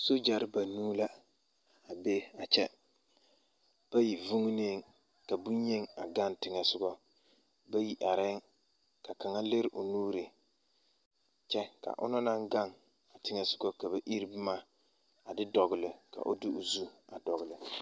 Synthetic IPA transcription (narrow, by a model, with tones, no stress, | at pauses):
so˦d͡ʒa˨ɾɪ˦ba˨nuː˦la˦ | a˨be˦a˨t͡ʃɛ˦ | b̥a˦ji˨vʊ˦ŋ˦neː˦ŋ | ka˨bu˦ɲ˦ɲe˦ŋa˨ɡa˦ntɪ˨˦ŋɛ˨sʊ˦ɡɔ˦ | ba˦ji˦ʔa˨ɾɪ˦ŋ | ka˨ka˨ŋa˦le˦ɾʔʊ˨nuː˦ɾɪ˨ | t͡ʃɛ˦ka̰˨ʔʊ̰˦nɔ˦na˦ŋɡa˦ŋ | a˨tɪ˦ŋɛ˦sʊ̥˦ɡɔ˦ka˨ba˨ʔi˦ɾbma˦ | a˨dɪ˦dɔ˨ɡɪ˨lɪ˨ka̰˨ʔo˦dɪ˦ʊ˨zu˦a˨dɔ˨ɣɪ˨lɪ˨